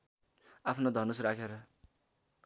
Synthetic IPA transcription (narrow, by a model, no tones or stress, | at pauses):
apʰnod̪ʱʌnusrakʰeɾʌ